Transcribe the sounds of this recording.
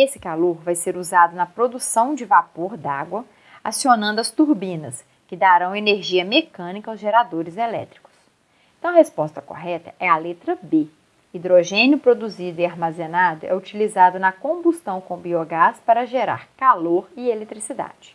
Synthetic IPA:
esɪ̥kaloɾvajseɾuzad̪ʊnɐpɾod̪usɐ̃w̃d͡ʒɪvapoɾd̪a̰ɡwɐ | asionɐ̃nd̪ʊɐst̪uɾbĩnɐs | kɪd̪aɾɐ̃w̃eneɾʒiɐmekɐ̃nikɐawzʒeɾad̪oɾɪzelɛ̰t̪ɾi̥kʊ̥s | ẽt̪ɐ̃w̃ɐɦespɔst̪ɐko̰ɦɛt̪ɐɛɐlet̪ɾɐbe | id̪ɾoʒẽnjʊpɾod̪uzid̪ʊiaɾmazenad̪ʊʔɛut͡ʃilizad̪ʊnɐkõbust̪ɐ̃w̃kõbioɡaspaɾɐʒeɾa̰ɾkaloɾɪelet̪ɾisid̪a̰d͡ʒɪ̥

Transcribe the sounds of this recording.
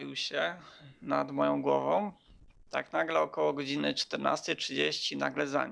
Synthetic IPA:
vʲiwɕɛnad̪mɔjɔ̃w̃ɡwɔvɔ̃w̃ | t̪a̰knaɡlɛɔkɔwɔɡɔd͡ʑinɘt͡ʂt̪ɛɾna̰st̪ɛjtʂɘd͡ʑeɕt͡ɕina̰ɡlɛza̰ɲ

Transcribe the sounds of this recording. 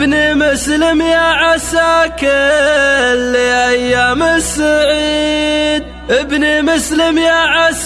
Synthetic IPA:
nimʊslɪmjaʕasaːkɪ | lːiʔajːaːmɪsaʕiid̪ | ʔɪbnimʊslɪmjaʕas

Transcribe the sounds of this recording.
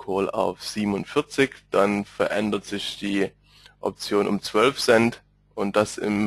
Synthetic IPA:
kʰoːla̰ʊfz̥iːbmn̩ʊnfɪɐt͡sɪkd̥anfɛɐʔɛndɐtz̥ɪçd̥iː | ʔɔ̰p̚t͡sjoːnʔʊ̰mt͡sv̥œlfsɛnt | ʔʊnt̚d̥asɪ̰m

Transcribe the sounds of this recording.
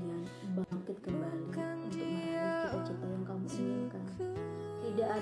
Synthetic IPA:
ɲa | baŋkɪt̪̚kəmbalu | t͡ʃət̪ɔjaŋkamusəakant̪idaʔa

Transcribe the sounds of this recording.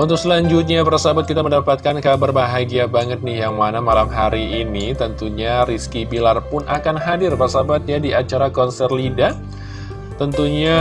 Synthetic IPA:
unt̪ʊk̚səlaɲd͡ʒut̪̚ɲapərsabat̪̚kit̪aməndapat̪̚kankabərbaɦaɡiabaŋət̪̚nɪhjaŋmanamalamɦaɾiinit̪ənt̪uɲariskibilarpʊnʔakanɦadɪrpərsabat̪̚jadiat͡ʃaɾakɔnsɛrlida | t̪ənt̪uɲa

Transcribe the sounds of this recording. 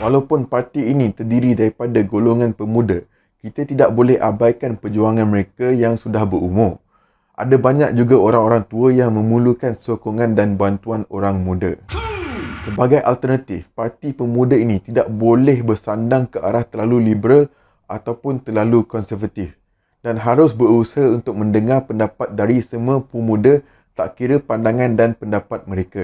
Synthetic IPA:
walawpʊnpart̪iːnĩt̪ərdiɾidaɾipadaɡoloŋãnpəmũda | kit̪at̪idaʔ̚bolɛhʔa̰bajkanpəd͡ʒuaŋanməɾekajaŋsudahbəɾumʊm | ʔa̰dabaɲak̚d͡ʒuɡaoɾaŋoɾaŋt̪uəjaŋmə̃mũlukansokoŋãndanbant̪uanoɾaŋmũda | səbaɡajʔalt̪ərnat̪ɪfpart̪ipəmũdainĩt̪idaʔ̚bolɛhbərsandaŋkəʔaɾaht̪ərlalulibəɾal | at̪awpʊnt̪ərlalukɔnsərvat̪ɪf | d̥anɦaɾʊsbəɾusaɦaunt̪ʊk̚mə̃ndəŋarpəndapat̪̚daɾisəmuə̃pumũda | t̪a̰ʔkiɾəpandaŋãndanpəndapat̪̚mə̃ɾeka

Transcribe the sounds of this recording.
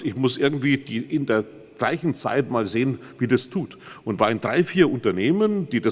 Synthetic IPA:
ɪçmʊsʔɪɐɡŋ̩tv̥iːd̥iːʔɪndeːɐ | ɡ̥la̰ɪçn̩t͡sa̰ɪtmaːlzeːənviːdastʰuːt | ʔʊntv̥aːɪndʁaɪfiːɐʔʊntɐneːmənd̥iːda

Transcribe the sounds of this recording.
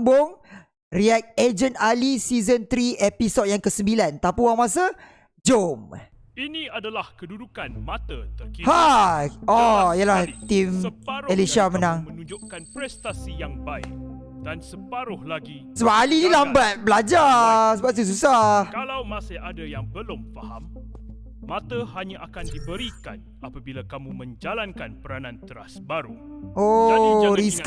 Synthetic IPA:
mbʊŋ | riɛk̚ed͡ʒənalisizənt̪ɾiepisɔd̚jaŋkəsəmbilant̪apuwaŋmas̬a | d͡ʒom | inĩadalahkədudukanmat̪aəiha | ɔijəlahht̪imeliʃamənãŋmənud͡ʒʊʔkanpɾɛst̪asijaŋbajʔ | d̥ansəpaɾʊhlaɡi | səbaalidilambat̚bəlad͡ʒasəbaʔt̪us̬usahkalawmaseadajaŋbəlʊmfaha̰mː | ãt̪əhaɲaʔakandibəɾika̰n | apabilakamũmə̃ɲd͡ʒalankanpəɾanãnt̪əɾa̰sbaɾuʔoɾisk

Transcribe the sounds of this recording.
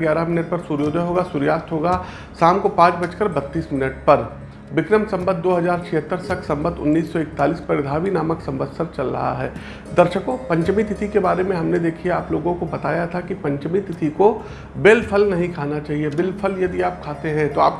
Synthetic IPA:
ɡjaːɾaɦmɪnəʈ̚pɐɾsuːɾjoːd̪ʱəɦoːɡasuːɾjaːst̪ɦoːɡa | saːmkopãːt͡ʃbɐt͡ʃkəɾbɐt̪ːiːsmɪnəʈpɐɾ | ʋɪkɾəmsɐ̃mbət̪̚d̪oːɦɐzaːɾt͡ʃʰɪɦət̪ːəɾsɐksɐ̃mbət̪ʊ̰nːiːsːɔɪk̚t̪aːliːspɐɾɪd̪ʱaːʋinaːməksɐ̃mʋəd̪səɾt͡ʃɐlɾɐ̰ɦa̰ɦɛː | d̪ɐɾʃəkõpɐ̃ɲt͡ʃmit̪ɪt̪ʰikebaːɾemẽɦɐmned̪eːkʰiaːploːɡõkobɐt̪aːjat̪ʰakipɐ̃ɲt͡ʃmit̪ɪt̪ʰiko | bɪlpʰəlnɐɦĩkʰaːnat͡ʃaːɦiebɪlpʰəljɐd̪iaːp̚kʰaːt̪eɦɛ̃t̪oa̰ːp̚

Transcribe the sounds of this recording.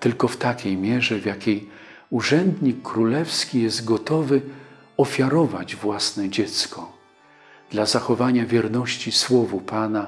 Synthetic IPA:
t̪ɘlkɔft̪akʲejmʲjɛʐɛvjakʲej | uʐɛnd̪ɲikːɾulɛfskʲijɛzt̪ɡɔt̪ɔvɘ | ɔfʲjaɾɔvad͡ʑvwasnɛd͡ʑɛt̪skɔ | d̪̥lazaxɔvaɲavʲjɛɾnɔɕt͡ɕiswɔvupana

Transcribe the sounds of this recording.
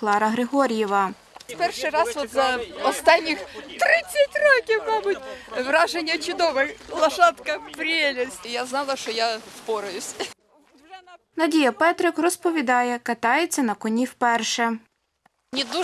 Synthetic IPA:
klˠɑɾɐɦɾɪɦɔɾʲjɛʋɐ | pɛrʂɪjɾɑsʋɔt̪zɐɔst̪ɑnʲːɪxt̪ɾɪsʲːɐtʲrɔkʲɪwmɑbʊtʲʋɾɑʒenʲːɐt͡ʃʊd̪ɔʋɪxlˠɐʃɑt̪kɐpɾʲelʲɪsʲtʲɪjaznɑlˠɐʃtɔjaspɔɾʊjʊsʲ | nɐdʲijɐpɛt̪ɾɪkrɔspɔʋʲid̪ɑjɛkɐt̪ɑjet͡sʲːɐnɐkɔnʲiwpɛrʃɛ | nʲɪd̪u

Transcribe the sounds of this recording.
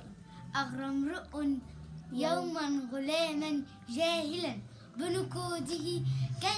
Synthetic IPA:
ʔɑɣɾˤɑmɾʊʔʊnjawmanɣʊlaːman | d͡ʒaːhɪlan | bɪnʊkoːd̪ɪhika

